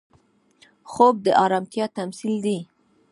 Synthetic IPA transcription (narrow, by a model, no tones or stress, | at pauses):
xob̚d̪əʔɑɾɑmt̪jɑt̪amsild̪i